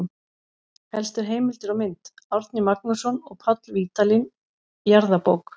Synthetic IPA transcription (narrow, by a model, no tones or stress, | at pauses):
hɛlst̪ɪɾ̥ɦeːjmɪlt̪ɪɾamɪnt̪awɾt̪nɪmak̚nʏsɔnɔɣpʰat̪lviːt̪alin | jaɾðapowk